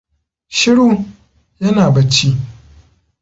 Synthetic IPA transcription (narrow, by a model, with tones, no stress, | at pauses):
ʃɪ˦ɽu˦ | jɐ˦naː˨bɐ˦t͡ʃiː˦